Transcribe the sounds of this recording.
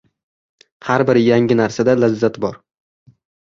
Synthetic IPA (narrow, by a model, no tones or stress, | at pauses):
haɾbɪɾjaŋɪnaɾsad̪alazːat̪bɒɾ